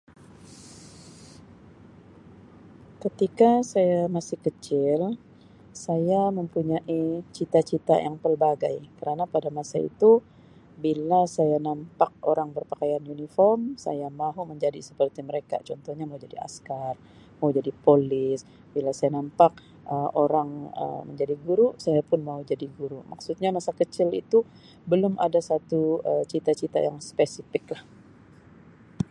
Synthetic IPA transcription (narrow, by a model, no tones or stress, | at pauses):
kət̪ikasajamasɪhkət͡ʃɪl | sajaməmpuɲaʔit͡ʃit̪at͡ʃit̪a̰jʔaŋpərbaɡa̰jkəɾanapadamasaḭt̪u | bilasajanampak̚oɾaŋbərpakajanjunifɔrmsa̰jamaɦuməɲd͡ʒadisə̥pərt̪iməɾeka̰t͡ʃɔnt̪ɔhɲamaud͡ʒadia̰skar | maud͡ʒadipolɪs | bilasajanampak̚ | ʔəoɾaŋə̰məɲd͡ʒadiɡuɾusajapʊnmaud͡ʒadiɡuɾumaksut̪̚ɲamasakət͡ʃɪlḭt̪u | bəlʊmʔa̰dasat̪uət͡ʃit̪at͡ʃit̪a̰jaŋspesifɪklah